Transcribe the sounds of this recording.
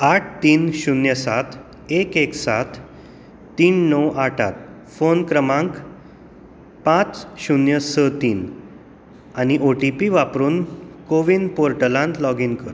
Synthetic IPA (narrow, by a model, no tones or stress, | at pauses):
aʈʰt̪iːnɕunjəsat̪ʰ | ekeksat̪ː | iːnːɔwaʈʰa̰t̪̚ | fonkɾəmãŋk | pãt͡sɕunjəsət̪iːn | añiʔoʈipiʋapɾuːnkoʋinpoɾʈəlãnt̪lɔɡinkəɾ